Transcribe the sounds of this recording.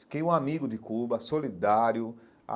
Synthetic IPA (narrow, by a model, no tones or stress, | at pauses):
i̥kejũamiɡʊdɪkubɐsolid̪aɾjʊ | a̰